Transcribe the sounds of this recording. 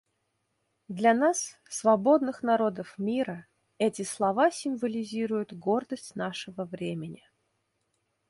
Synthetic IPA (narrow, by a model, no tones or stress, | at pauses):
d̪lʲanas | svɐbo̞d̪nɨxnɐɾo̞d̪əfmʲiɾə | ɛtʲɪslˠɐvasʲɪmvəlʲɪzʲiɾʊjʊt̪ɡo̞rd̪əsʲtʲnaʂɨvəvɾʲemʲɪnʲɪ